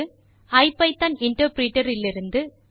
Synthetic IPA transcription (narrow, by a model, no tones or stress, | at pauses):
ɯ | ɐɪpɐɪt̪ːɐnɪɳʈɐɾpɾiːʈːɐɾɪlːɪɾɯnd̪ɯ